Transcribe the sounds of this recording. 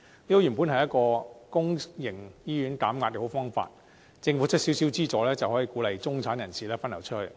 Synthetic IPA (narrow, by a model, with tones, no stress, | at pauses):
liː˥o˧jyː˨˩mpuː˨˥nɦɐ˨jɐ˥t̚kɔː˧kʊ˥ŋjɪ˨˩ŋjiː˥jyː˨˥nkaː˨˥mkaː˧t̚kɛ˧ho˨˧˥wfɔː˥ŋfa̰ː˧t̚ | t͡sɪ˧ŋfuː˨˥t͡ʃʰɵ˥t̚si˨˥wsiː˨˥wt͡siː˥t͡sɔː˨˥lɛː˥t͡sɐ˨whɦɔː˨˥jiː˧kuː˨˥lɐ˨jt͡sʊ˥ŋt͡sʰaː˨˥njɐ˨˩nsiː˨˩lɛː˥fɐ˥nɐ˨˩wt͡ʃʰɵ˥t̚hɵ˨˩